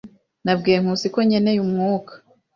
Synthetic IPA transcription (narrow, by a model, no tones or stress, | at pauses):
nabɡeːŋ̥usiko̞ɲene̞jumŋuːkḁ